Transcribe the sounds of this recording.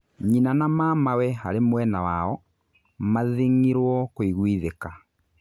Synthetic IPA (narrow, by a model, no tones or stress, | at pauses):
ɲinanamamawɛha̰ɾemwɛnawaɔ | maðiŋiɾwɔkoiɣwiðeka